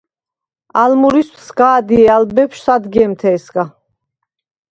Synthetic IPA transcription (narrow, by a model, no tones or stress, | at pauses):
almuɾispʰsɡaːd̪iɛalbɛpʃsad̪ɡɛmt̪ʰɛːsɡa